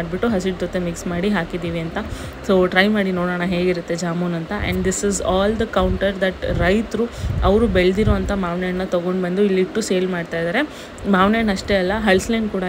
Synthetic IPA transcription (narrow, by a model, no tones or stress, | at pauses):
aɖbiʈːuɦɐs̬iʈ̚d͡ʒɔt̪ːe̞miksmaːɽiɦaːkid̪iːʋiɐnt̪ɐ | soːʈɾɐjmaːɽinoːɽɐːɳɐɦe̞ːɡiɾut̪ːe̞d͡ʒaːmunɐnt̪ɐʔɛ̰ɳɖd̪isizaːld̪ɐkɐwɳʈɐɾd̪ɐʈɾɐjt̪ɾuɐʋɾubeɭd̪iɾoɐnt̪ɐmaːʋneɳnɐt̪ɐɡo̞ɳɖbɐnd̪uilːiʈːuseːlmaːɖt̪aːjd̪aːɾe̞ | maːʋnenɐʂʈe̞ɐlːɐɦɐɭslɐjnkuːɽɐ